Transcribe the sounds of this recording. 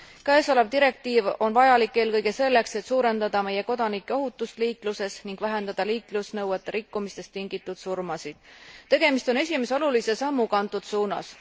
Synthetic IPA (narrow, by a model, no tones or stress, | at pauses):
kæːsolebd̪iɾe̞k̚t̪iːvo̞nvɑjɑlikːˑe̞ːlkɤjɡ̥e̞se̞lːe̞kse̞t̪suːɾe̞nd̪ɑd̪̥ɑme̞je̞ko̞d̪̥ɑnikːˑe̞o̞ɦut̪ːˑust̪liːkluse̞sniŋɡ̥væɦe̞nd̪̥ɑd̪̥ɑliːklusnɤwet̪ːˑeɾikːumist̪e̞st̪ːiŋɡ̥it̪ːˑud̪̥surmɑsid̪̥t̪ːe̞ɡ̥e̞mist̪o̞ne̞sʲime̞seo̞lulisesɑmːukɑnt̪ːˑud̪̥suːnɑ̰s